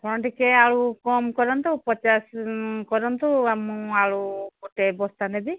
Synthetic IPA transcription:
kʰɔɽ̃ɔ̃ʈikeaɭukɔmkɔɾɔnt̪ɔpɔt͡ʃaskɔɾɔnt̪ɔamũaɽuɡɔʈebɔst̪anɛbi

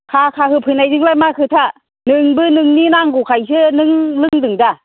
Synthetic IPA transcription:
kʰakʰaɦɯpʰɯnajdɯŋlajmakʰɯt̪ʰa | nɯŋbɯnɯŋninaŋɡukʰajs̬ɯnɯŋlɯŋdɯŋda

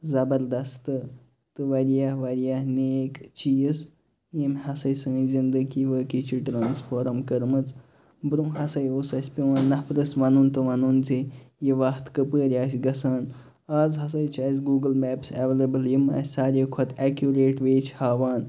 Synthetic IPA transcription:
zɐbɐɾd̪ɐst̪ɨ | t̪ɨʋɐɾijahʋɐɾijahneːkt͡ʃijs | jimhɐsɐjsɨ̃ːjzind̪ɨkiʋəːkit͡ʃʰiʈɾaːnsfoːɾɐmkəɾmɨt͡s | bɾũɦɐsɐjoːsɐsʲpʲiʋaːnːɐhpɾɨsʋɐnunt̪ɨʋɐnunzijiʋɐht̪kɨpəːɾʲaːsʲɡɐsaːn | aːzɦɐs̬ɐjt͡ʃaːzɡuːɡəlmɛːpsɛʋeːlebɨljimɐ̰sʲsaːɾʲeːkʰɐt̪ʰɛkjuɾeːʈʋeːt͡ʃʰhaːʋaːn

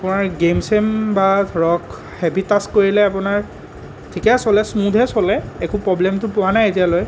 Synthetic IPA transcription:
apʊnaɹɡemsembatɹɔk | hɛbitaskoɹilɛapʊnaɹ | tʰikɛsɔlɛsmudʱɛsɔlɛekʊpɹɔblɛmtʊpʊwanajetijaloj

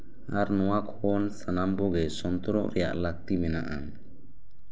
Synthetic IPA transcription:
aɾnɔwakʰɔnsanambɔɡɛsɔnt̪ɔɾɔ̰ʔɾɛja̰ʔlak̚t̪imɛna̰ʔa̰

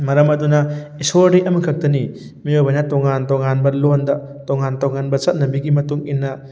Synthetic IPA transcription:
mɐɾɐmɐdunɐisoɾɾiʔɐmɐkʰɐk̚tɐni | mijobajnɐtɔŋantɔŋanbɐlondɐ | toŋantɔŋanbɐt͡ʃɐt̚nɐbiɡimɐtuŋinːɐ

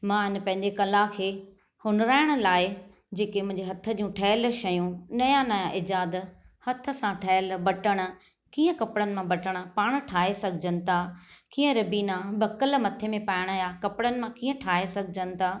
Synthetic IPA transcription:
mãɪn̆pɐ̃ɦɪ̃ɲd͡ʑekɐlakʰeː | hʊnɾaːɪɽ̃ʊ̆laːɪ | d͡ʑeːkemʊ̃ɦɪ̃ɲd͡ʑeɦɐt̪ʰə̆d͡ʑũʈʰɐːəlʃɐjũnɐjãnɐjãʔɪd͡ʑaːd̪ | hɐt̪ʰə̆sãʈʰɐəlbɐʈəɽ̃ə̆ | kiːə̃kɐpɪɽənɪ̆mãbɐʈəɽ̃ə̆paːɽ̃ʈʰaːɦesɐɡʱɪd͡ʑənɪ̆t̪ʰaːkiːə̃ɾɐbiːnãbɐkəlmɐt̪ʰemẽpaːɪɽ̃əjakɐpɪɽənɪ̆mãkiːə̃ʈʰaːesɐɡʱɪd͡ʑənɪ̆t̪ʰaː

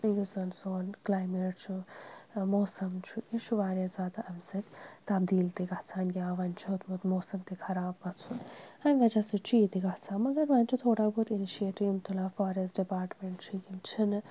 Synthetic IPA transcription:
juzɐnzoːnklaːjmeːʈt͡ʃʰu | moːsɐmt͡ʃʰuit͡ʃʰuʋaːɾaːzʲaːd̪aʔɐmsɨkt̪ɐbd̪iːlt̪iɡɐt͡sʰaːnɡʲaːʋɐnt͡ʃʰoːt̪mut̪moːsɐmt̪ikʰɐɾaːb̚ɡɐt͡sʰunhɐnʲʋɐd͡ʒasit͡ʃʰiːt̪iɡɐt͡sʰaːmɐɡɐɾʋɐːnʲt͡ʃʰut̪ʰoːɽabut̪iniʃieːʈiʋmt̪ʰulaːfaːɾesɖipaːɾʈmeɳʈt͡ʃʰuɡimt͡ʃʰin

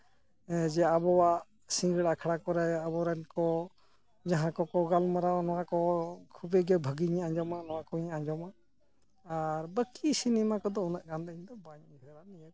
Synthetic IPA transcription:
d͡ʒɛabɔwaʔ | sĩŋɡəɽakʰaɽakɔɾɛabɔɾɛnkɔ | d͡ʒaɦãkɔkɔɡalmaɾanɔwãkɔkʰubɛɡɛbʱəɡiɲaãɲd͡ʒɔmanɔwakɔɲaɲd͡ʒɔma | aɾbəkisinimakɔd̪ɔunaʔɡand̪əɲd̪ɔbaɲiɦɛɾania

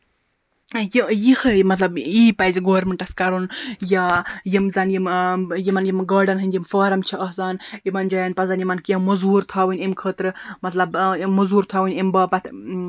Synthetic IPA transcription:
jijihɨmɐt̪lɐbiːpɐzɡoːɾmɨɳʈɐskɐɾunjaːjimzɐːnjimjimɐnjimɡaːɾɖɐnɦɨnʲjimfaːɾɐmt͡ʃʰiɐɦzaːnimɐnd͡ʒaːjɐnpɐzɐːnjimɐnkɐmɐzuːɾt̪ʰaːwɨnʲimkʰəːt̪ɾɨmɐt̪lɐbmɐzuːɾt̪ʰaːʋɨnʲimbaːpɐt̪ʰ

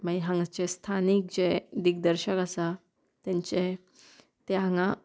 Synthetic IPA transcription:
maiɦãŋɡat͡ɕest̪ʰanik̚d͡ʑed̪ik̚d̪əɾɕəkasa | t̪ãɲt͡ɕe | t̪eɦãŋɡã

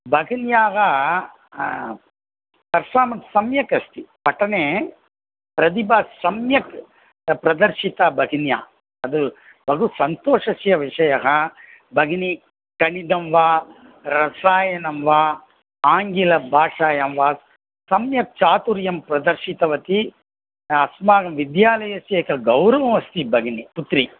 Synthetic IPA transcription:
bʱɐɡinjaːɡɐ | t̪ɐɾʂaːmɐt̪sɐmjɐkɐst̪ipɐʈɐneː | pɾɐd̪ibaːsɐmjɐk | pɾɐd̪ɐɾʃit̪aːbʱɐɡinja̰ː | ɐd̪u | bʱɐɡusɐnt̪oːʂɐsjɐʋiʂɐjɐɦɐ | bɐɡni | kɐɳid̪ɐmʋaː | ɾɐsaːjɐnɐmʋaː | aːŋɡilɐbʱaːʂaːjɐmʋaː | sɐmjɐk̚t͡ʃaːt̪uɾjɐmpɾɐd̪ɐɾʃit̪ɐʋɐt̪i | ɐsmaːɡɐmʋid̪jaːlɐjɐsjɐkɐɡɐwɾɐʋɐmɐst̪ibʱɐɡniput̪ɾi

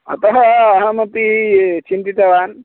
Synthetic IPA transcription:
ɐ̰t̪ɐɦɐɐɦɐmɐt̪it͡ʃint̪it̪ɐʋaːn

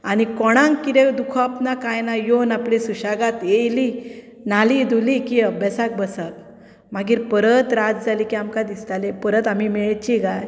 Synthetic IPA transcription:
añikɔɽ̃ãŋkit̪ewd̪ukʰɔapnakajnajonaplesuɕaɡat̪ejli | nalid̪ulikiəbjasak̚bəsak̚ | maɡiːɾpəɾət̪ɾad͡zd͡zalikiamkad̪ist̪alepəɾət̪am̤imɛɭt͡ɕiɡaj

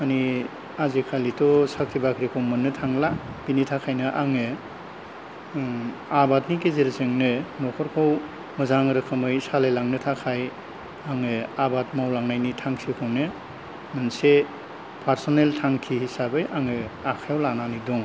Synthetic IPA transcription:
mani | azikʰalitɔsakʰɾʰibakʰɾikʰɯwmɯnːɯtʰaŋlab̥initʰakʰajnɯʔaŋɯ | abatnik̬ezeɾsɯŋnɯnɔkʰɔɾkʰow | mɯzaŋɾɯkʰɯmɯjsalejlaŋnɯtʰakʰaj | aŋɯabatmawlaŋnajnitʰaŋsikʰownɯ | mɯnse | pʰaɾsoneltʰaŋkʰihisabɯjʔaŋɯakʰajɔwlananidɔŋ

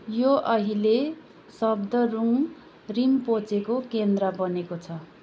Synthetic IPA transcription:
joʔʌɦile | sʌbd̪ʌruŋ | rimpot͡sekokend̪rʌbʌnekot͡sʰʌ

